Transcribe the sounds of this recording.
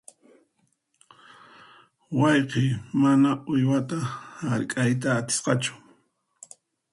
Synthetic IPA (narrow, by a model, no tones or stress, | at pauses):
wɑjqemanaʊjwat̪ahaɾkʼajt̪aːt̪ɪ̥sqɑt͡ʃʊ̥